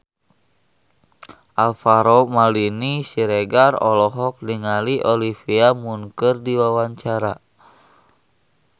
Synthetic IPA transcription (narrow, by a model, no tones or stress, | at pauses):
ʔalfaɾɔmalinisiɾeɡarɔ̰lɔɦɔk̚diŋaliʔɔlifiamuŋkərdiwawaɲt͡ʃaɾa